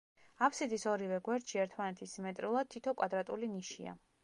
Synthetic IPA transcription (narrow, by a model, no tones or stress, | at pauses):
apʰsid̪isɔɾivɛɡwɛɾt̪ʃiɛɾt̪ʰmanɛt̪ʰismɛt̪ʼɾilˠad̪̚t̪ʰːit̪ʰɔkʼwad̪ɾat̪ʼuliniʃḭa̰